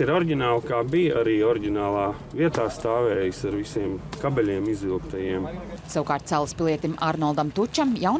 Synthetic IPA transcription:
iɾɔɾɟʲinaːlˠkaːbijaɾiːɔɾiɟʲinaːlˠaː | viɛt̪aːst̪aːʋɛːjisaɾvisʲiɛmkabɛlʲiɛmizilˠkt̪ajiɛmsawukaːɾt̪sælˠspilˠiɛt̪imaɾnɔlˠd̪amt̪ut͡ʃamjawn

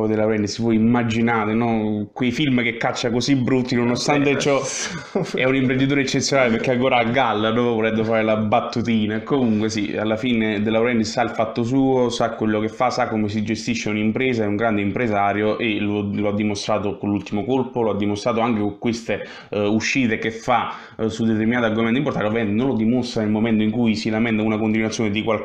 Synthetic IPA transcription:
d̪elːawɾɛnd̪isvɔjimːad͡ʒinaːɾenɔkwejfilmkekːat͡ʃːakosibːɾut̪ːinonost̪ant̪et͡ʃɔ | ɛunimpɾend̪it̪oːɾeet͡ʃːet̪sːjonaːlepeɾkːeaŋkoːɾaaɡːalːad̪ɔvvoɾɛd̪d̪ofaːɾelabat̪ːut̪iːnakomuŋkwesia̰lːafiːned̪elːawɾɛnd̪issailfat̪ːos̬uːosakːwelːokefːasːakːomes̬id͡ʒest̪iʃːeunimpɾɛːzaɛuŋɡɾand̪eimpɾezaːɾjoʔeloload̪ːimost̪ɾaːt̪okonlult̪imokolpoload̪ːimost̪ɾaːt̪oaŋkekokːwest̪e | uʃːiːt̪ekefːa | sud̪ːet̪̬eɾminaːt̪oaɾɡomɛnt̪import̪anɾavɛnt̪nõnlod̪imost̪ɾanelmomɛnt̪oiŋkujsilamɛnt̪aunakont̪inuat̪sːjoned̪ikwal

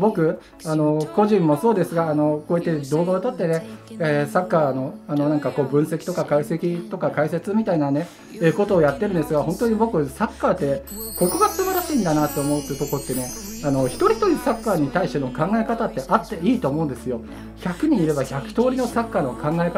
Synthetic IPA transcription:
bo̞kɯ̟ | ano̞ko̞ʑĩmːo̞so̞ːd̪e̞sɨɡaːno̞koːit̪ːe̞d̪o̞ːɡaot̪at̪ːe̞neesakːaːno̞ano̞nãŋkako̞ːbɯ̟̃ɰ̃se̞kʲi̥t̪o̞kakaise̞kʲit̪o̞kakaise̞t͡sɨmʲit̪ainane̞ | eːko̞t̪o̞ːjat̪ːe̞ɾɯ̟nd̪esɨɡaɦõ̞nt̪oɲ̟ibo̞kɯ̟sakːaːt̪ːe̞ | ko̞ko̞ɡat͡sɨmaɾaɕiĩnd̪anat̪ːo̞ːmo̞ɯ̟t̪ːoɯ̟t̪o̞kot̪ːene̞ | ano̞çi̥t̪o̞ɾʲit̪o̞ɾʲisakːaːɲ̟it̪aiɕt̪e̞no̞kãŋɡaekat̪at̪ːe̞ʔat̪ːe̞iːt̪o̞ːmoɯ̟̃nd̪esɨjo̞ | çakɯ̟ɲ̟iːɾe̞baçakɯ̟̥t̪o̞ːɾʲino̞sakːaːno̞kʰãŋɡaeka

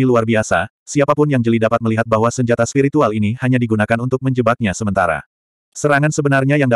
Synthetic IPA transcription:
iluarbiasa | siapapʊnjaŋd͡ʒəlidapat̪̚məliɦat̪̚baɦwasəɲd͡ʒat̪aspiɾit̪ualinihaɲadiɡunakanunt̪ʊk̚məɲd͡ʒəbak̚ɲasəmənt̪aɾa̰ | səɾaŋansəbənarɲajaŋda

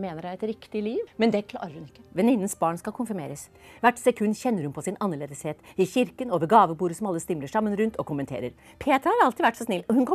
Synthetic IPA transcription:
meːnəɖæɛt̪ɾɪkt̪ɪliːʋmɛnd̪ɛkʰlɑ̰ɾəɾʉnɪkːəʋɛnɪnːənsbɑːɳskɑlkʰʊnfɪɾmḛːɾəs | ʋæʈːsɛkʰʉnːçɛnːəɾhʉnpʰɔsɪnɑnːəɭeːd̪əsheːt̪ɪçɪɾkənoːʋəɾɡɑːʋəbuːɾəsɔmɑlːəst̪ɪmləʂɑmːənɾʉnt̪ʰɔkʰʊmːənt̪ʰḛːɾəɾ | pʰeːt̪ɾhɑɾɑlt̪ɪd̪ʋæʈːsɔsnɪlːɔhʉnkʰɔ

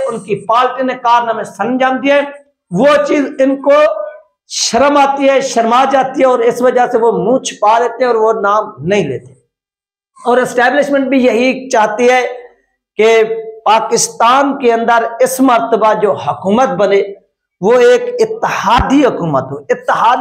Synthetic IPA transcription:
ʊnkipaːlʈinekaːɾnəmẽsə̃nd͡ʒãːmd̪iaɦɛ̃ː | ʋot͡ʃiːzɪnko | ʃəɾəmaːt̪iɦɛːʃəɾmaːd͡ʒaːt̪iɦɛɔːɾɪsʋəd͡ʒaseʋomũːt͡ʃʰpaːleːt̪eɦɛ̃ɔːɾʋonaːmnɐɦĩlḛːt̪e | ɔːɾɪsʈɛːblɪʃmə̃ɳʈ̚bʱijɐɦit͡ʃaːɦt̪iɦɛː | kepaːkɪst̪aːnkeə̃nd̪əɾɪsməɾt̪əbad͡ʒoːɦʊkuːmət̪̚bəne | ʋoeːkɪt̪ːɪhaːd̪iɦəkuːmət̪ɦoːɪt̪ːɪɦaː

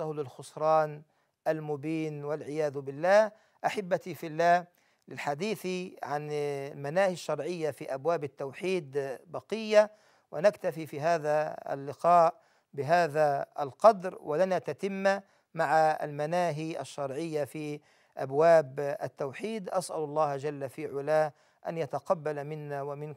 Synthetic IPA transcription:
ahlɪlxʊsˤɾˤɑːn | ʔalmʊbiːnwalʕɪjaːðʊbɪlːaːh | ʔaħabːat̪ifɪlːaːh | lɪlħad̪iːθiʕanlmanaːhaʃːɑɾˤʕɪjːafiːʔabwaːbɪt̪ːawħiːd̪bɑqɪjːa | wɪnakt̪afiːfiːɦaːðaa̰lːɪqɑːʔ | bɪɦaːðaalqɑd̪ɾwɪlɪnat̪at̪ɪmːa | maʕaa̰lmanaːɦiʔa̰ʃːɑɾˤʕɪjːafiː | ʔa̰bwaːba̰t̪ːawħiːd̪ʔasʔalʊlˤːɑːhd͡ʒalːafiːʕʊlaː | ʔa̰njat̪aqɑbːalmɪnːawamɪn

